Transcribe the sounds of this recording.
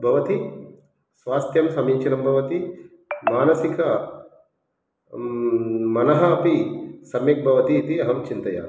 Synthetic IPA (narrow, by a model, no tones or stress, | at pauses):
bʱɐʋɐt̪i | sʋaːst̪jɐmsɐmiːt͡ʃʰinɐmbʱɐʋɐt̪i | maːnɐsikɐ | mɐnɐɦɐːpisɐmjɐk̚bʱɐʋɐt̪iːt̪iɐɦɐmt͡ʃint̪ɐja̰ː